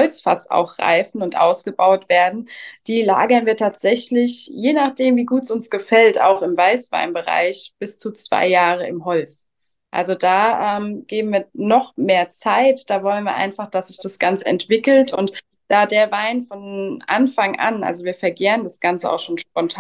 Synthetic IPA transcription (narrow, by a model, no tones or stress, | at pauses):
hɔlt͡sfa̰sa̰ʊxʁ̥a̰ɪfn̩ʊntʔa̰ʊsɡ̥əbaʊtv̥eːɐdn̩d̥iːla̰ːɡɐnviːɐtʰaːtz̥ɛçlɪçjeːnaːχd̥eːmviːɡuːtəsʊnsɡ̥əfɛlta̰ʊxɪmvaɪsv̥a̰ɪnbəʁa̰ɪçb̥ɪst͡sut͡sv̥a̰ɪjaːʁəɪmɦɔlt͡s | ʔa̰lzod̥aːʔɛːmɡ̥eːbm̩viːɐnɔχmeːɐt͡saɪtd̥aːvɔlənviɐʔa̰ɪnfaχd̥asz̥ɪçd̥asɡ̥ant͡səɛ̰ntv̥ɪkl̩tʰʊ̰nt | d̥aːdeːɐvaɪnfɔnʔa̰nfaŋʔa̰nʔa̰lzoviːɐfɛɐɡeːʁəndasɡ̥ant͡səa̰ʊxʃoːnʃpɔntʰa